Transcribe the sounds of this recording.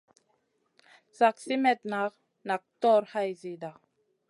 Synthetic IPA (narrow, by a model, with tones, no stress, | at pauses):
sa˨ksi˦mɛ˦t̚na˨˦k | na˨k̚tɔ˦ɾha˦jzi˨da˨